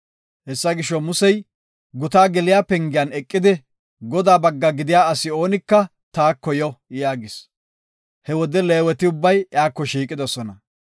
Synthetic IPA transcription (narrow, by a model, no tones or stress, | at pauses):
hɛsːɐɡɪʃːɔmʊsɛj | ɡʊt̪aːɡɛlɪjaːpɛŋɡɪjanɛkʼːɪd̪ɪ | ɡɔd̪aːbɐɡːɐɡɪd̪ɪjaːɐsɪo̞ːnɪkːɐ | t̪aːkːɔjɔjaːɡɪs | hɛwɔd̪ɛle̞ːwɛt̪ɪʊbːɐjjaːkːɔʃiːkʼɪd̪ɔsɔnɐ